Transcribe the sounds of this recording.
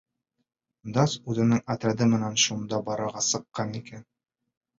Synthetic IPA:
d̪ɑsʉðɘ̆nɘŋɐt̪ɾæd̪ɘmɘ̆nænʃund̪ɑbɒɾɑɾʁɑsɤ̆qːɑnikæn

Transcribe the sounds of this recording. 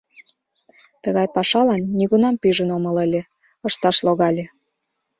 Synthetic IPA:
t̪əɣɑjpɑʃɑlɑnːiɣunɑmpiʒənomɤ̆ləlʲe | ɤʃt̪ɑʃloɣɑlʲe

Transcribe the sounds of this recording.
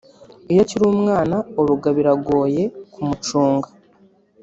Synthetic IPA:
ijociɾuːmŋaːnaoɾuɡaβiɾaɡo̞ːje̞kumut͡ʃuːŋɡa

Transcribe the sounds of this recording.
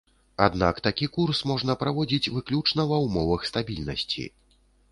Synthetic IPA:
a̰d̪na̰kt̪akʲikursmɔʐn̪ɐpɾavɔd͡zʲit͡sʲvɨklʲut͡ʂnɐvɐwmɔvɐxst̪abʲilʲnɐsʲt͡sʲḭ

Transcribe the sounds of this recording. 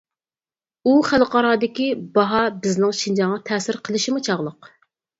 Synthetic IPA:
uχælqɑɾɑːd̪ɪkʲibɑɦɑbɪznɪŋʃind͡ʒɑŋʁɑt̪ʰɛːsɪɾqʰəlˠɨʃimut͡ʃʰɑʁlˠəq

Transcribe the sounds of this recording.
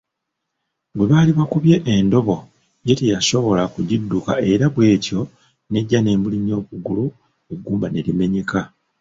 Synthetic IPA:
bwe̞βaːliβakuβje̞ʔendo̞βo̞ | je̞tejaso̞βo̞lakuɟidːuka̰e̞ɾaβwe̞ːco̞ | ne̞ɟːane̞ːmbuliɲo̞ːβuɡulu | oɡuːmbane̞lime̞ɲe̞ka

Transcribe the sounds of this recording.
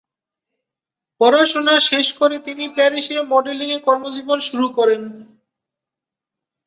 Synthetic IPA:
pɔɾaʃonaʃeʃkoɾet̪inipɛɾiʃemɔɖeliŋekɔɾmod͡ʑibonʃuɾukɔɾen

